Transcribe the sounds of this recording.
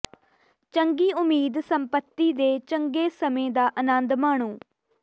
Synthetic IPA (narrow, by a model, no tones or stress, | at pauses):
t͡ʃəŋɡiːʊmiːd̪səmpət̪ːiːd̪eːt͡ʃəŋɡeːsəmẽːd̪aːʔənənd̪maːɳ̃uː